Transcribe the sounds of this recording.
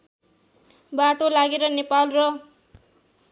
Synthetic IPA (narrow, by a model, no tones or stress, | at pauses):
baʈolaɡeɾʌnepalrʌ